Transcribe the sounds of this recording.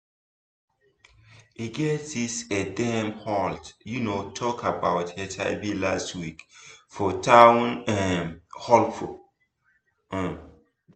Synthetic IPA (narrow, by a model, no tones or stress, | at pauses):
iɡɛtdisɛdɛ̃mhɔltjunotʰɔkʰabaʊthɛtʰaɪbilastwikfɔtʰaw̃nɛmhɔlpfu